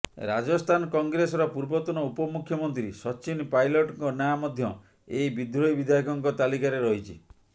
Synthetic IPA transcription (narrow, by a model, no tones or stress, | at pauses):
ɾad͡ʒɔst̪ʰanɔkɔŋɡɾesɔɾɔpuɾbɔt̪ɔnɔupɔmukʰjɔmɔnt̪ɾisɔt͡ʃinpajlɔʈɔŋkɔnjajamɔd̪ʱjɔ | eibid̪ɾɔjbid̪ʱajkɔŋkɔt̪alikaɾeɾɔɦit͡ʃʰi